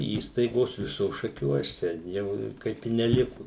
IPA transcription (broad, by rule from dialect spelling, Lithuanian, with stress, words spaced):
ˈiːstɐɪɡoːs ˈʋʲɪsoːs ʃɐˈkʲuɔs tʲɛn ˈjɛʊ ˈkɐɪp ɪ nʲɛˈlʲɪkʊ